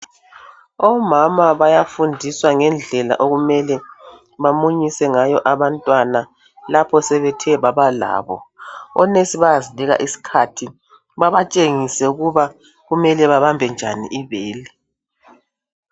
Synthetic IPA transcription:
ɔmamaβajafundʱiswaŋɛnd͡ɮʱɛla̰ʔoɣumɛlɛ | βamuɲisɛŋajɔʔaβantʼwana | lapʰɔsɛβɛtʰɛβaβala̰ːβɔ̰ɔnesiβaaziniɣa̰ʔisi̥kʰatʰi | βaβat͡ʃʼeŋisɛuɣuβa | ɣumɛlɛβaβambʱɛnd͡ʒʱanḭʔiβeːli

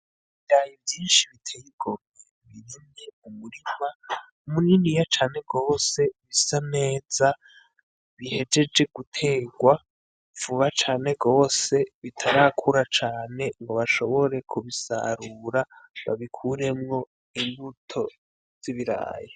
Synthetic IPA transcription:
iβiɾaːjivjiːnʃiβitʰejiɡ̥ome | βiɾineumuɾima | munindijat͡ʃaːne̞ɡo̞ːse̞βisane̞ːza | βihe̞d͡ʒe̞d͡ʒe̞ɡutʰe̞ːɡwa | v̥uβat͡ʃaːne̞ɡo̞ːse̞βitʰaɾakʰuɾat͡ʃaːne̞ŋɡo̞βaʃo̞βo̞ɾe̞kʰuβisa̰ɾuːɾaβa̰βikʰuɾe̞mŋo̞ | imbutʰo̞ | z̥iβiɾa̰ːjo

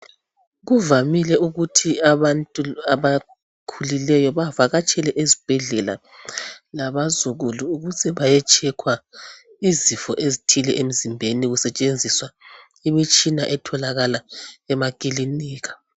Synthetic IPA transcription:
ɣuvamilɛuɣutʰiaβantʼuaβa | kʰulilɛjɔβavaɣat͡ʃʼɛlɛʔezib̥ʱɛɮɛla̰ | laβazuɣuluuɣuzʰɛβajɛt͡ʃʼɛkʰwa | izifɔʔezitʰilɛ̰ʔem̩zimbʱeniɣusɛt͡ʃʼend͡zʱiswa | imit͡ʃʼinaʔɛtʰɔlaɣalaɛmakʼiliniːɣḁ

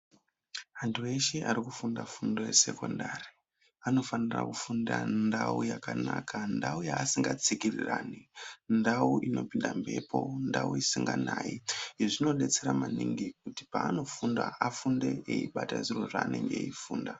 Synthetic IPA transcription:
antʰueʃeʔaɾikufundafundo̞jese̞ko̞ndari | ano̞fanira̰kufundandaujakanakandaujaːsiŋɡat͡sikiriraːnindauʔino̞pindambe̞pʰo̞ndauisiŋɡanajiʐino̞ɗe̞t͡se̞ɾamaniŋɡik̚uti̥paano̞fundaafunde̞eiɓataʐiro̞ʐaːne̞ŋɡe̞̰ifuːnda

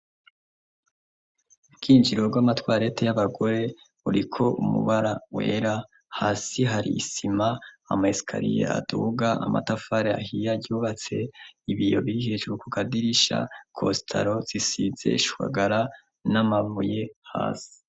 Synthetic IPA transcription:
bɡ̥iːnd͡ʒiɾo̞ɡwamatwaːɾe̞tejaβaɡo̞ɾe̞ | uɾikʰo̞ʔumṵβaɾawe̞ɾa | haːsiɦaɾḭːsima̰ːmaisi̥kʰa̰ɾḭjḛa̰duɡaʔama̰tafaɾeahijaɟuːβat͡se̞iβijo̞̰βihit͡ʃuukukadiɾiʃa̰kʰostʰa̰ɾo̞z̥isize̞̰iʃu̥wa̰ɡaɾa | namavuje̞ha̰ːsi̥

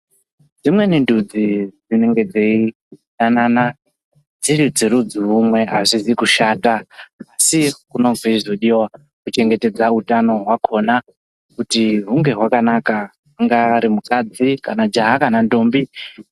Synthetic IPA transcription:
d͡zimwe̞nindud͡zid͡zine̞ŋɡe̞d͡ze̞i | nanana | d͡ziɾid͡ziɾud͡ziumwe̞aʐizikuʃaːtaːsikuno̞viʐoɗiwa | kut͡ʃe̞ŋɡe̞ted͡zautano̞ɦwakʰo̞na | kutiɦuŋɡe̞ɦwakanaka | uŋɡaɾimukad͡zikanad͡ʒaɦakanando̞mbi

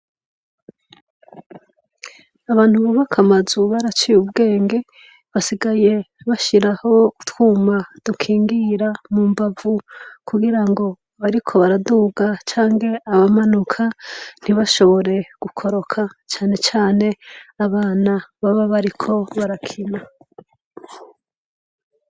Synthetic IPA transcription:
aβaːn̥huβuβakʰamazuβaɾat͡ʃijubɡe̞ːŋɡe̞ | βasiɡaje̞βaʃiɾaho̞utwuːmad̥ukʰiːŋɡiɾamuːmbavukʰuɡiɾaŋɡo̞ | βaɾikʰo̞βaɾaduːɡat͡ʃaːŋɡe̞aβamanukʰan̥iβaʃo̞βo̞ɾe̞ɡ̥ukʰo̞ɾo̞kʰat͡ʃaːne̞t͡ʃaːne̞aβaːnaβaβaβaɾikʰo̞βaɾakʰina

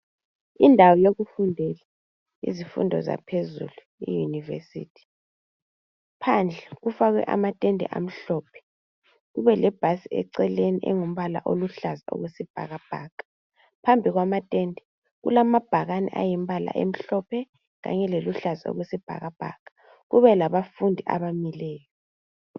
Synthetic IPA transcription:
indʱawɔjoɣufundʱɛla | ḭzifṵndʱɔ̰za̰pʰezṵlu | ḭjunivḛsḭːtʰi̥ | pʰand͡ɮʱɛɣufaɣwɛ̰ʔa̰matʼendʱɛ̰ʔa̰m̩ɬɔːpʰɛ̥ | ɣuβɛlɛb̥ʱasiɛ̰ǀɛleniʔɛ̰ŋum̩βala̰ʔoluɬazao̰ɣesib̥ʱa̰ɣab̥ʱaːkʼḁ | pʰambʱiɣwamatʼendʱɛ | ɣṵlamab̥ʱaɣanɛ̰ʔa̰jim̩bʱala̰ʔem̩ɬɔpʰɛ | ɣa̰ɲɛleluɬazao̰ɣesib̥ʱa̰ɣab̥ʱa̰kʼḁ | ɣuβɛlaβafundʱiʔa̰βamilɛːjɔ

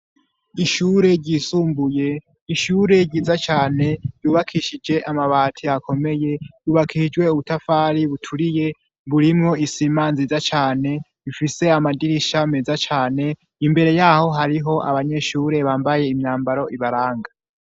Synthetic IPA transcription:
iʃuːɾe̞ɾɟisuːmbuje̞ | iʃuːɾe̞ɾɟiːzat͡ʃaːne̞juːβakʰiʃid͡ʒe̞ʔamaβaːtʰiakʰo̞me̞je̞juβakʰid͡ʒɡwe̞uβutafaːɾiβutʰuɾije̞ | βuɾimŋo̞isiːmaːnzizat͡ʃaːne̞ | ifise̞amadiɾiʃamezat͡ʃaːne̞ | imbe̞ɾe̞jaho̞ɦaɾiɦo̞ʔa̰βaɲe̞ʃuːɾe̞βaːmbaje̞imɲaːmbaɾo̞ʔiβaɾaːŋɡa

